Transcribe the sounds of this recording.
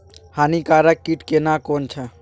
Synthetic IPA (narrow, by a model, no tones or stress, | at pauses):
haːnikaɾəkːiʈkenakont͡ʃʰã